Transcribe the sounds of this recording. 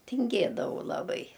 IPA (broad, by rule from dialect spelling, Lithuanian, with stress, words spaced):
tʲɪŋʲˈɡʲeːdɐʋɐʊ lˠɐˈbɐɪ